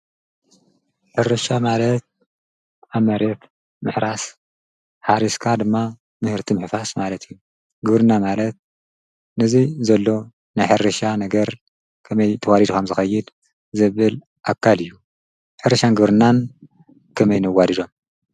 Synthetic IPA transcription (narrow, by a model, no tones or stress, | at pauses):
ħɨɾɐʃamalɐt̪̚ | amɐɾet̪ | mɨħɾas | ħaɾiskʰad̪ɨmːa | mɨhɨɾt̪ʰimɨħfasmalɐt̪ʰɨjːu | ɡɨβɾɨnːamalɐt̪̚ | nɨzizɐlːo̞ | najħɨɾɐʃanɐɡɐɾ | kʰɐmɐjt̪ʰɐwalid̪ukʰɐmzɨxɐjːɪd̪ | zɨβɨl | ʔakʰːalɨjːu | ħɨɾɐʃanɡɨβɾɨnːan | kʰɐmɐjnɨwadid̪o̞m